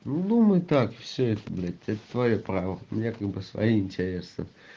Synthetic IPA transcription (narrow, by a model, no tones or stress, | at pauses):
nud̪umɨjt̪akfsʲɵɛt̪əblʲɛt̪ʲɛt̪ə̥t̪vɐjopɾavəmʲnʲakaɡ̚bɨsvɐ̰jiɪnʲtʲɪɾʲe̞snə̰